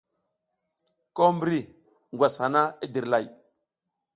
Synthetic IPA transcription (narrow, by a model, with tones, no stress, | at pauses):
ko˦mbi˦ɾi˦ | ŋɡʷwa˨sha˨na˦i˦di˨ɾla˨j